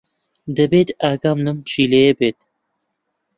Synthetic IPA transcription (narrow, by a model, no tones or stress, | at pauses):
d̪ɐbeːt̪aːɡɑːmnɨmt͡ʃiːleːjebeːt̪